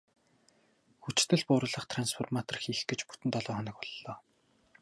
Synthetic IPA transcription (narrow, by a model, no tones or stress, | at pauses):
xut͡ɕt̪ɘ̆ɮpʊːɾʊ̆ɮə̆χt̪ʰranspʰɔrmat̪ɔrxiːxɡĕt͡ɕpu̥t̪ɘ̆nt̪ɔɮɔːχɔnə̆k̚pɔɮːɔː